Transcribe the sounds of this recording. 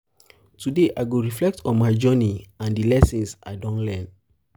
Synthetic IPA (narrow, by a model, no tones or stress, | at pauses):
tʰudeʔaɪɡoɹiflɛk̚tʰɔ̃nmaɪd͡ʒɔniãndilɛsĩnsʔa̰ɪdɔ̃nlɛ̃n